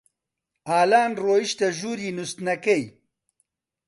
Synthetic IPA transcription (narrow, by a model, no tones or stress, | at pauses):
aːlaːnroːiʃt̪ɐʒuːɾiːnust̪nɐkɐj